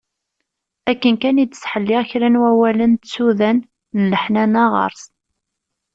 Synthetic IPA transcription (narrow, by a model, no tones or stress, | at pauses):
ækːənkænid̪sħəlːɪʁçɾænwæwælənt̪t͡sːuðænː | ləħnænɑʁə̰ɾˤs